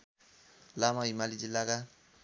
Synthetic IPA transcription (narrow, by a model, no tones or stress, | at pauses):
lamaimalid͡ʒilaka